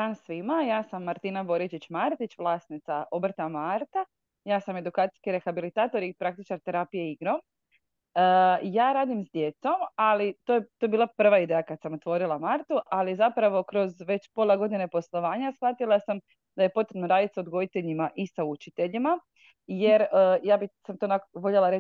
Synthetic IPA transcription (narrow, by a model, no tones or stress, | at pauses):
d̪aːnsʋimajaːsamːaɾt̪inabo̞ɾit͡ʃit͡ɕmaːɾt̪it͡ɕʋlˠaːsnit̪saʔobr̩t̪amaɾt̪a | jaːsame̞d̪ukaːt̪i̥skiɾe̞xabilit̪aːt̪o̞ɾipɾak̚t̪it͡ʃaɾt̪eɾaːpijeiɡɾom | jaːɾaːd̪imzd̪je̞t̪so̞malit̪ojet̪ojebiːlˠapr̩ʋaid̪ejakad̪samo̞t̪ʋo̞ɾilˠamaɾt̪uʔalizapɾaʋo̞kɾo̞zʋe̞t͡ɕpo̞ːlˠeɡo̞d̪ine̞po̞slˠo̞ʋaːɲasxʋat̪ilˠasam | d̪̥aje̞po̞t̪ɾebnoɾaːd̪it̪saod̪ɡo̞d̪it̪e̞ʎimaʔisaut͡ʃit̪e̞ʎima | je̞ɾəːjaːbisamt̪o̞nakoʋo̞ʎelaɾe